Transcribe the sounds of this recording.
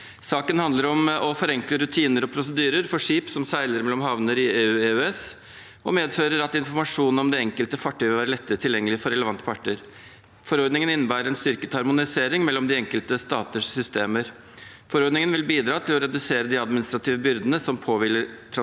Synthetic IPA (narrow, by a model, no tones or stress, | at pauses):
sɑːkənhɑnd̪ləɾɔmɔfɔɾɛŋkləɾʉt̪ʰiːnəɾɔpʰɾʊsəd̪yːɾəɾfɔʂiːpsɔmsæɪləɾmɛlːɔmhɑʋnəɾɪeːʉːeːʉɛs | ɔmeːd̪føːɾəɾɑt̪ɪnfɔɾmɑʂuːnɔmd̪ɛɛŋkəlt̪əfɑʈʰːyːʋəlʋæːɾəlɛt̪ːəɾət̪ʰɪljɛŋːəlɪəfɔɾɛləʋɑnt̪ːə̥pʰɑʈːəɾ | fɔɾɔɾd̪nɪŋənɪnːəbæːɾəɛnst̪ʏɾkət̪hɑɾmʊnɪseːɾɪŋmɛlːɔmd̪ɪɛŋkəlt̪əst̪ɑːt̪əʂsʏst̪eːməɾ | fɔɾɔɾd̪nɪŋənʋɪlbiːd̪ɾɑːt̪ʰɪlɔɾɛd̪ʉseːɾəd̪ɪɑd̪mɪnɪst̪ɾɑt̪ʰiːʋəbʏɾd̪ənəsɔmpʰoːʋɪːlːəɾʈʰɾɑ